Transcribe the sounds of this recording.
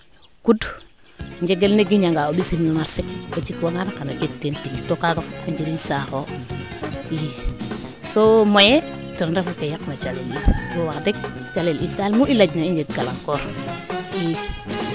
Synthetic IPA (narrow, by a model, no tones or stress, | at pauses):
kud | ɲd͡ʒeɡelneɡiɲaŋɡaoɓisimnumasek̚ot͡ʃikwoŋaɾkanod͡ʒektentiŋtokaɡafutad͡ʒiɾinsaxo | i | somoje | tuɾnɾafukejakmat͡ʃalelijowadek̚t͡ʃalelitalmuʔilad͡ʒnaiɲd͡ʒekɡala̰ŋkoɾ | i